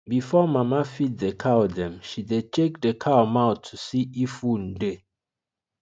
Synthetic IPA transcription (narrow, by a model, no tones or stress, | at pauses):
bifɔmamafit̚dəkʰawdɛ̃mʃidet͡ʃek̚dəkʰamaʊtʰːusiifũnde